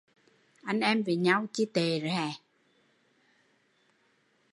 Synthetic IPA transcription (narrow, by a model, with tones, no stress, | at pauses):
ʔa˧nʔɛ˧mve˨˩ɲa˧wt͡ɕi˧t̪e˨˩zɛː˨˩